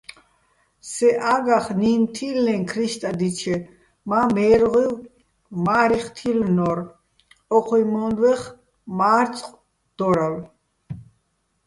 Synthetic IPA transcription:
sɛʔaɡaχnint̪ʰilːɛŋkʰɾiʃt̪ʼad̪it͡ʃʰɛ | mamɛːɾʁiw | maːɾiχt̪ʰilnɔɾ | ɔqʰwimɔnd̪vɛχ | maːɾt͡sʼqʼ | d̪̥ɔɾal

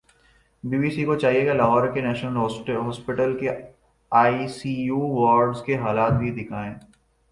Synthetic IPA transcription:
biːbiːsikot͡ʃaːɦieɡalɐɦɔːɾkenɛːʃnəlɦɦɔːspɪʈəlke | aːisijuːʋɔːɾɖzkeɦaːlaːt̪̚bʱid̪ɪkʰaːẽː

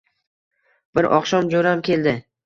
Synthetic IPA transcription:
b̥ɪɾʔɒ̰qʃɒmd͡ʒoɾamkʲʰeld̪ɪ

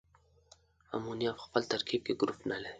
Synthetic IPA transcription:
a̰munjafxpəlt̪aɾkʰiːb̚keɡʊɾufnale

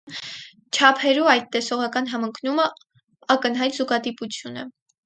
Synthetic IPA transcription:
t͡ʃʰɑpʰɛɾuɑjt̪t̪ːɛsɔʁɑkɑn̪ɦɑməŋkʰnumə | ɑkən̪ɦɑjt̪zuɡɑt̪iput͡sʰjunə̰

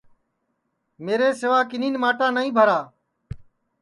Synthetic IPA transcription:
meːɾeːsɪʋaːkɪniːnmaːʈãːnəĩːbʱəɾaː

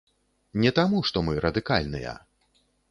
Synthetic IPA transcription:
nʲɛt̪amuʂt̪ɔmɨɾʔɐd̪ɨkalʲnɨ̰jɐ̰

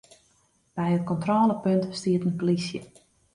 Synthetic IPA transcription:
b̥ɛjət̚kɔntroːləpøntstiətənpolisjə̰

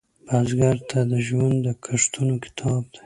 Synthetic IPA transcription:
b̥azɡaɾt̪ʰad̪əʒwand̪d̪əkʰaʂt̪unokɪ̥t̪ʰɑb̚d̪a

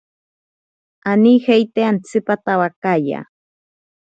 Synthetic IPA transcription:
anixejt̪eant͡sɨpat̪awakaja̰

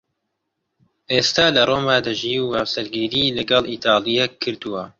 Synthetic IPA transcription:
ʔeːst̪aːlɐroːmaːd̪ɐʒiːwuhɐwsɐɾɡiːɾiːlɐɡɐlˠiːt̪ʰɑːlˠijɛkʰːɨɾd̪uwɐ

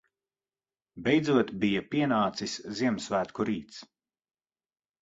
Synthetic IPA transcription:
bʲejd̪zuɔt̪bijapiɛnaːt̪sisʲziɛmsvæːt̪kuɾiːt̪s

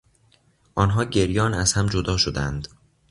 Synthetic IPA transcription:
ʔɒːnɦɒːɟe̞ɾjɒːnæz̥hæmd͡ʒod̪ɒːʃod̪ænd̪

